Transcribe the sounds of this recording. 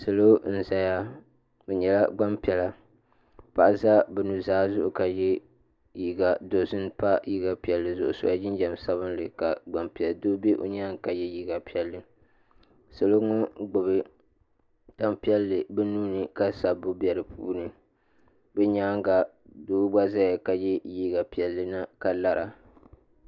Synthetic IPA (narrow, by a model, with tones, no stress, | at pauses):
sɨ˨lo˦n̩˦za˨ja˦ | o˨ɲɛ˨la˦ɡ͡ba˦mpi˨ɛ˨la˨ | pa˨ʔa˨za˦bɛ˨nu˨zaː˦zʊ˦ʔʊ˨ka˨jɛ˦ | ji˦ɡa˨do˨zɨ˦n˦pa˦ji˦ɡa˨pi˨ɛ˨lːɨ˨zʊ̰˨ʔʊ̰˨so̰˦a˦d͡ʒɪ˦n˦d͡ʒa˨msa˦βɨ˦n˦lɨ˨ka˨ɡ͡ba˨mpi˨ɛ˨ldoː˦be˦ʔo̰˦ɲa˦ŋka˨jɛ˦jiː˦ɡa˨pi˦ɛ˨lːɨ˨ | so˨lo˦ŋo˦ɡ͡bʊ˨βɨ˨ | ta˦mpi˦ɛ˦lːɨ˨bɛ˦nuː˦nɨ˨ka˦sa˨bʊ˦bi˨ɛ˨ɾɨ˨pʰṵː˦nɨ˨ | bɛ˦ɲaː˦ŋ˦ɡa˨ | doː˦ɡ͡ba˦za˦ja˨ka˨jɛ˦jiː˦ɡa˨pi˨ɛ˨lːɨ˨na˦ka˨la˦ɾʔa˨